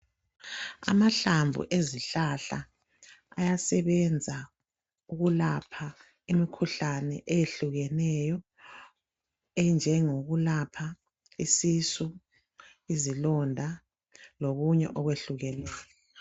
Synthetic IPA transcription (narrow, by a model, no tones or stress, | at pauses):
a̰maɬambʱṵʔeziɬaɬa̰ | a̰jasɛβɛnd͡zʱa | uɣulapʰa | imikʰuɬanɛ̰ʔejeɬuɣɛnɛjɔ | ɛnd͡ʒʱɛŋoɣulapʰa | isisu | izilɔndʱa | loɣuɲɛ̰ʔɔɣweɬuɣɛnɛːjɔ